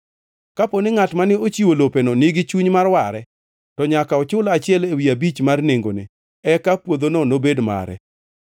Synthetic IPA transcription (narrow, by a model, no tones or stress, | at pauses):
kaponɪŋatmanɪot͡ʃiwolopenonɪɡɪt͡ʃuɲmarwaɾɛ | tɔɲakaɔt͡ʃʊlat͡ʃɪɛlewiabit͡ʃmarneŋɡo̰nɪ̰ | ɛkapwod̪ononobedma̰ɾɛ̰